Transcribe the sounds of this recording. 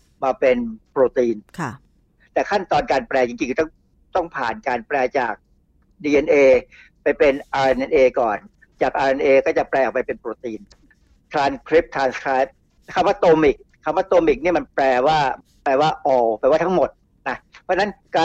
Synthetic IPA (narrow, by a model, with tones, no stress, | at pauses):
maː˧pe˧npɾoː˧t̪iː˧nʰ | t̪ɛː˨˩kʰa˥˩nt̪ɔː˧nkaː˧npɾɛː˧t͡ɕi˧ŋt͡ɕi˧ŋkʰt̪ɔ˥˩ŋ | t̪ɔ˥˩ŋpʰa̰ː˨˩nkaː˧npɾɛː˧t͡ɕa̰ː˨˩k̚ | diː˧ʔe˧nʔeː˧ | pa˧jpe˧nʔaː˧˩ʔe˧nʔɛ˧nʔeː˧kɔː˨˩n | t͡ɕaː˨˩k̚ʔaː˧ʔe˧nʔeː˧kɔː˥˩t͡ɕa˨˩plɛː˧˨pa˧jpe˧npɾoː˧t̪iː˧n | t̪ʰɾaː˧nkʰɾi˦˥p̚t̪ʰɾaː˧nskʰɾaː˧˦˥jp̚ | kʰa˧˥˩waː˥˩t̪oː˧mi˨˩k̚ʰːa˧˩mwaː˥˩t̪oː˧mi˨˩k̚ni˥˩ma˧nplɛː˧waː˥˩ | pɛː˧waː˥˩ʔɔː˧wpɛː˧˩waː˥˩t̪ʰa˥ŋmo˨˩t̪̚ | na˦˥pʰɔ˦˥na˦˥nkaː˧